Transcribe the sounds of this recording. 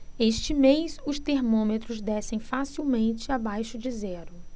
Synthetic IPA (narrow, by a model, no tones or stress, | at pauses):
eʃt͡ʃɪmejsʊst̪eɾmõmet̪ɾʊzd̪ɛsẽj̃fasiwmẽnt͡ʃɪabajʃʊd͡ʒɪzɛɾʊ